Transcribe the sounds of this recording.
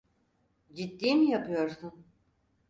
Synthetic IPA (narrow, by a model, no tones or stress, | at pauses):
d͡ʒit̪ːiːmijapɯjo̞ɾsun